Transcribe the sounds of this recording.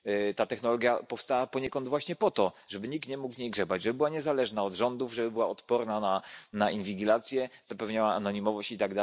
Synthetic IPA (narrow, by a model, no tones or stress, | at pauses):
t̪at̪ɛxnɔlɔɡʲjapɔfst̪awapɔɲɛkɔnd̪vwaɕɲɛpɔt̪ɔʐɛbɘɲik̚t̪ɲɛmuɡvɲejɡʐɛbad͡ʑʐɛbɘbɘwaɲɛzalɛʐnaɔd̪ʐɔnd̪uvʐɛbɘbɘwaɔt̪pɔɾnananaʔinvʲiɡʲilat̪sʲjɛz̥apɛvɲawaanɔɲimɔvɔɕt͡ɕit̪aɡd̪a